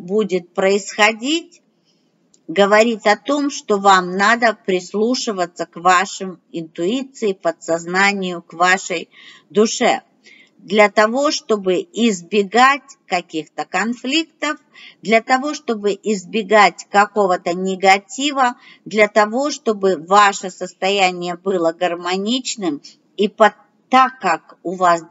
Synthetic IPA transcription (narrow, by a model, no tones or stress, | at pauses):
budʲɪt̪̚pɾəɪsxɐdʲitʲ | ɡəvɐɾʲit̪ɐt̪o̞mʂt̪o̞vamnad̪əpɾʲɪslˠuʂɨvət̪sːəkvaʂɨmɪnt̪ʊit̪sɨɪpət̪sɐznanʲɪjʊkvaʂəj | d̪ʊʂɛ̰ | d̪lʲɐt̪ɐvo̞ʂt̪o̞bɨɪzbʲɪɡatʲkɐkʲixt̪əkɐnflʲikt̪əf | d̪lʲɐt̪ɐvo̞ʂt̪o̞bɨʔɪzbʲɪɡatʲkɐko̞vət̪ənʲɪɡɐtʲivə | d̪lʲɐt̪ɐvo̞ʂt̪o̞bɨvaʂəsəst̪ɐjænʲɪjəbɨlˠəɡərmɐnʲit͡ɕnɨm | ipɐ | t̪ːakːakʊvas